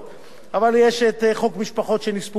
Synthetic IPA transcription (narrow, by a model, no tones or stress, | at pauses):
avaljeʃet̪χo̞kmiʃpaχo̞t̪ʃenispu